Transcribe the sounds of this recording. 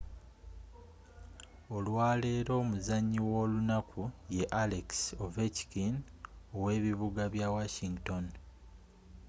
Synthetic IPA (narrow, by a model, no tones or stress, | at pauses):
o̞lwaːle̞ːɾo̞ːmuzaɲːiwo̞ːlunakʰuje̞ʔaleksoveci̥kinowe̞ːβiβuɡaβjawaʃiŋɡto̞n